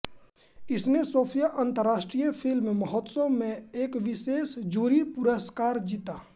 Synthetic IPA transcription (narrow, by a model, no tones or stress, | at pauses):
ɪsnesoːpʰijaʔə̃nt̪əɾːaːʃʈɾijəpʰɪlmẽməɦɔt̪somẽeːkʋɪʃeːsd͡ʒuːɾipʊɾəskaːɾd͡ʒiːt̪aː